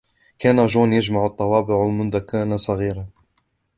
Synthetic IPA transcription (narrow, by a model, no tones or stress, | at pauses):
kæːnaʒuːnjad͡ʒmaʕʊt̪ˤːɑwɑːbɪʕmʊnd̪akanasˤɑɣiːɾa